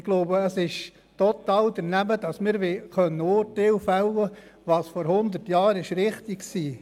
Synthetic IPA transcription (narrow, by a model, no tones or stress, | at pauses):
ɪɡ̥loʊbəəsɪʃ | tɔt̪ɑːld̥̪ənæməd̥ɑsmɪːɾʋeχœnːəʊɾtelfæwə | ʋɑːsfɔɾhʊnd̪ətjɑːɾɪʃɾɪχt̪ɪksiː